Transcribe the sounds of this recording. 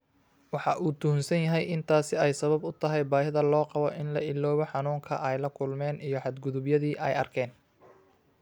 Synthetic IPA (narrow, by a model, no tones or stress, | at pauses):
wɑħɑʔuːt̪ʰʊhʊnsɐnjɐɦɛjʔɪnt̪ʰaːsɪɛjsɐβɐbʊt̪ʰɐɦɛjbaːhɪðɐlɔːqɑβɔʔɪnlɐʔɪlːɔːβɔħɑnuːŋkʰɐ̰ʔɛjlɐkʰʊlmɛːnijɞħɑd̪ɡʊðʊbjɐðiːʔɛjɐrkʰɛːn